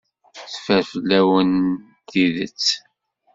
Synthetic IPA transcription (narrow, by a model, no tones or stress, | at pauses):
θfæɾflːæwən | t̪iðə̰t͡sː